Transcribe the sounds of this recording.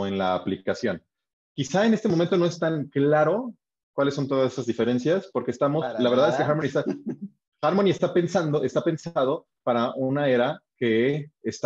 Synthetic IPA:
enlaːplikasjo̞n | kisae̞ne̞st̪emoment̪o̞no̞es̬t̪aŋklaɾo̞ | kwalesːo̞nt̪o̞ðasesazðife̞ɾe̞nsjaspo̞ɾkeːst̪amo̞slaβeɾðaðekexaɾmoniest̪a | xaɾmonie̞st̪ape̞nsand̪oʔe̞st̪ape̞nsað̞o̞ | paɾaʔunae̞ɾake̞ːst̪

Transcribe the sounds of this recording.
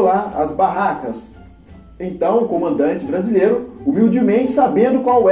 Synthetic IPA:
laɐ̰zbaɦakɐs | ẽt̪ɐ̃w̃ʊkõmɐ̃nd̪ɐ̃nt͡ʃɪbɾazilejɾʊumiwd͡ʒimẽnt͡ʃɪsabẽnd̪ʊkwawɛ

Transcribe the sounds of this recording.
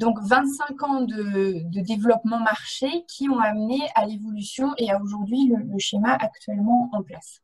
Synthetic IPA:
d̪ɔ̃kvɛ̃t̪sɛ̃kɑ̃d̪əd̪əd̪evlɔpmɑ̃maʁʃekʲʰiɔ̃amnealevɔlysjɔ̃ʔeaoʒuʁd̪ɥilələʃemaʔakt̪ɥɛlmɑ̃ɑ̃plas

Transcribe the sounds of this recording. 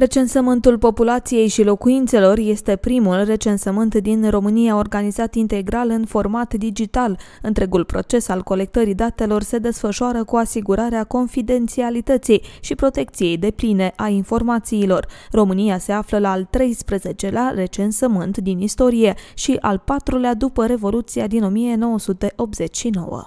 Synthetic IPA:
ɾe̞t͡ʃe̞nsəmɨnt̪ulpo̞pulat̪sije̞jʃilo̞kuint̪se̞lo̞rje̞st̪e̞pɾimulre̞t͡ʃe̞nsəmɨnt̪d̪inro̞mɨnijao̞rɡanizat̪int̪e̞ɡɾalɨnfo̞rmat̪d̪id͡ʒit̪alɨnt̪ɾe̞ɡulpɾo̞̰t͡ʃe̞salko̞le̞k̚t̪əɾid̪at̪e̞lo̞rse̞d̪e̞sfəʃuaɾəkuasiɡuɾaɾeako̞nfid̪e̞nt̪sialit̪ət̪sijʃipɾo̞t̪e̞k̚t̪sije̞jd̪e̞pline̞ʔainfo̞rmat̪siːlo̞rro̞mɨnijase̞afləlaːlt̪ɾe̞jspɾəze̞t͡ʃe̞lare̞t͡ʃe̞nsəmɨnt̪d̪inist̪o̞ɾije̞ʃiʔalpat̪ɾulead̪upəɾe̞vo̞lut̪siad̪ino̞mije̞no̞wəsut̪e̞ʔo̞p̪̚z̥e̞t͡ʃʲʃino̞̰wə̰

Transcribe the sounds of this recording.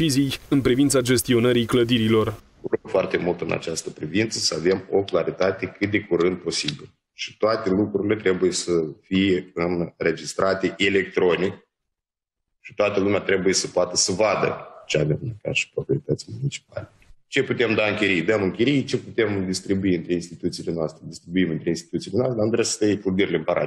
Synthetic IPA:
izijɨnpɾivint̪sad͡ʒe̞st̪io̞nəɾijkləd̪iɾilo̞r | uɾoɡfoart̪e̞mult̪ɨnʔa̰t͡ʃast̪əpɾivint̪səsəave̞mo̞klaɾit̪at̪e̞kɨt̪̚d̪e̞kuɾɨnd̪̚po̞sibilə | ʃi̥t̪oat̪e̞lukɾuɾile̞t̪ɾe̞buje̞səfije̞ɨnre̞d͡ʒist̪ɾʔat̪e̞ʔele̞k̚t̪ɾo̞nik | ʃi̥t̪oat̪əlumʲat̪ɾe̞buje̞səpoat̪əsəvad̪ə̰t͡ʃeavemneka̰ʃi̥pɾopɾioɾit̪ət̪silemunit͡ʃi̥p̚a̰let͡ʃe̞put̪e̞md̪aɨŋkʲiɾijd̪əmɨŋkʲiɾijt͡ʃe̞put̪e̞md̪ist̪ɾibuiɨnt̪ɾe̞inst̪it̪ut̪sile̞noast̪ɾed̪ist̪ɾibuimɨnt̪ɾeinst̪i̥t̪ut̪silenoast̪ɾamd̪ɾasə̥t̪ajeplud̪iɾileɨmpəɾʔa̰

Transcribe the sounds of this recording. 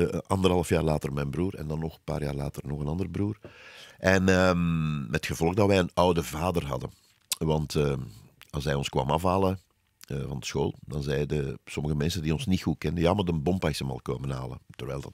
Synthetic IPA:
ʔɑnd̪ərɦɑlˠəfjaːrlaːtərmɛjnbruːɾɛ̰ndɑnːɔxənpa̰ːɾjaːrla̰ːtərnɔɣənɑndərbruːrʔɛnəmːɛtxəvɔlˠəɣdɑtʋɛjənœwdəvaːdərɦɑ̰də | ʋɑntə | ɑlˠs̬ʋɛjɔnskwa̰ːmɑfaːlˠə | əvɑ̰ndəsxoːlˠdɑnzɛjdəsɔməɣəmɛnsəndiːɔnsnitxuːt̚kɛndəjaːmadənbɔmpaɪsəmɑ̰lˠkoːməna̰ːlˠə̰tərʋɛːlˠdɑt

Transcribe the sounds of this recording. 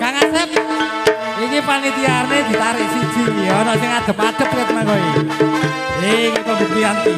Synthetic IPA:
kaŋasɛp̚ | ikipanit̪ianed̪̥i̤t̪aɾɪʔsid̥ʒ̥i̤ɔnɔsɪŋad̪̥ə̤p̚ḁd̪̥ə̤p̚kakmaŋɡɔiki | ekip̪əbukt̪ian

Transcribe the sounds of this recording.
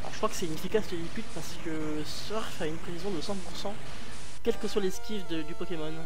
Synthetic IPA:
alɔ̰ʁʒəkχwakə̥sɛt̪ynefikasd̪əlipyd̪̚paʁsə̥kə | sœʁfaynpχevizjɔ̃d̪əsɑ̃puʁsɑ̃ | kʲɛlkəswaleskʲivd̪əd̪ykɔkʲemɔn

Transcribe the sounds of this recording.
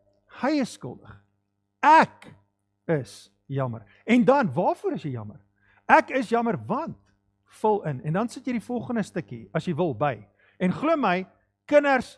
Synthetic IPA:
həjəsːkə̰lˠdə̰χ | æk | əs | jɐmə̰r | ɛndɐnvɑːrfuəɾəsjɛjɐ̰mər | ækəsjɐmərvɐnt | fɔlˠənɛndɐnsətjəjdifɔlˠχəndəstəkḭɐsjəjvəlˠbəj | ɛnχluəməj | kənərs

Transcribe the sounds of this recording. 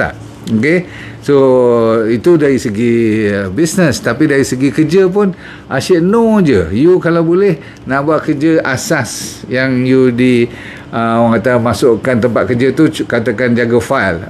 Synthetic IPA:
a̰ | oke | so | it̪udaɾisəɡibisnəst̪apidaɾisəɡikəd͡ʒəp̬ʊn | ʔaʃəʔnod͡ʒəjukalawbolɛh | naʔbuaʔ̪̚kərd͡ʒəʔasasjaŋjudi | əoaŋkat̪amasʊʔkant̪əmpat̪̚kəd͡ʒət̪ukat̪akand͡ʒaɡəfajl

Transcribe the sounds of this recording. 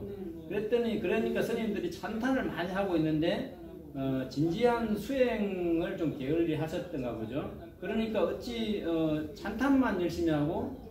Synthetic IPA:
kɯɾet͈ʌɲikɯɾeɲik͈asʰɯɲimdɯɾit͡ɕʰantʰanɯɭmaɲiɦaɡoinːɯnde̞ | ʌt͡ɕind͡ʑiɦansʰuɦeŋɯɭt͡ɕomke̞ɯɭːiɦaɕʰʌt̚t͈ʌnɡaɡod͡ʑo | kɯɾʌɲik͈aɯt̚t͡ɕ͈iʌt͡ɕʰantʰanmanjɯɭɕ͈imiɦaɡo

